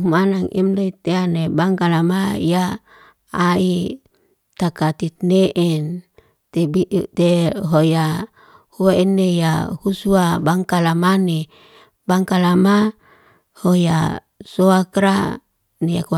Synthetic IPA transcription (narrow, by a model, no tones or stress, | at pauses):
umanaŋʔḭmloit̪eanebaŋkalamajaː | i | t̪akat̪it̪̚neʔɛn | t̪ebiʔut̪eɦoja | huaɛnːejahusuabaŋkalamane | baŋkalama | hoja̰ | soakɾa | nejak